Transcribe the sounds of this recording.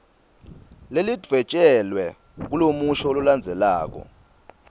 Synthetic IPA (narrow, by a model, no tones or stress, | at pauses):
lelid̥ʱvɛt͡ʃʼɛlwɛ | k̬ulomuʃɔoluland͡zʱɛlaːk̬ɔ̰